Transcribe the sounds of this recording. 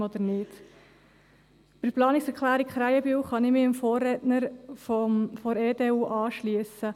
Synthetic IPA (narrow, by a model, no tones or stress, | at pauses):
ɔd̪əɾnɪd̥ | pɪɾplɑːnɪksɛɾklæːɾikχɾæɪəbywχɑnɪmɪɪmfoːrːɛtnəɾfɔfɔɾeːdeːuːʔɑːʃliəsə